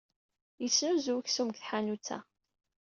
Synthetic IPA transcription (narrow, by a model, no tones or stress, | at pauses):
jəsːnuzuwçsumkθħanut͡sːæ̰